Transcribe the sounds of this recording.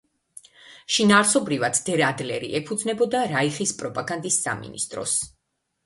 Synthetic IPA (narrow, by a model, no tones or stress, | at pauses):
ʃinaːɾsɔbɾivad̪d̪̥ɛɾad̪lɛɾḭʔɛpʰud̪znɛbɔd̪aɾaiχispʼɾɔpʼaɡand̪isːa̰mḭnḭst̪ʼɾɔ̰s